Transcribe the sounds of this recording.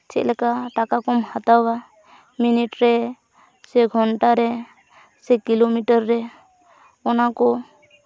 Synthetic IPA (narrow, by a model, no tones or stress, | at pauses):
t͡ʃʰɛ̰ʔ̪̚lɛkaʈakakɔmhat̪awa | miniʈɾɛ | sɛɡʱɔnʈaɾɛ | sɛkilomiʈaɾːɛ | ɔnakɔ